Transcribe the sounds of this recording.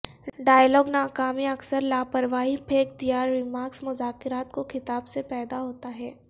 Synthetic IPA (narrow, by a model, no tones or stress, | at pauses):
ɖaːjlɔːɡnaːkaːmiɐksəɾlaːpəɾʋaːɦipʰeːkt̪ijaːɾːɪmaːksmʊzaːkɪɾaːt̪koxɪt̪aːbsepɛːd̪aɦoːt̪aɦɛː